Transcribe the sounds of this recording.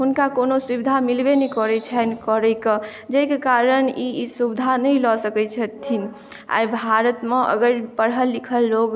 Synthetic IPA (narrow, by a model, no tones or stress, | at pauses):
ɦunkakonosubid̪ʱamilbenɛkɔɾɛt͡ʃʰənkɔɾəjkə | d͡ʒəikekaɾənisubid̪ʱanəjlɔsəkɛt͡ʃʰət̪ʰːin | a̰jbʱaɾət̪mẽʔə̰ɡəɾpəɽɦəlːikʰəlːoɡ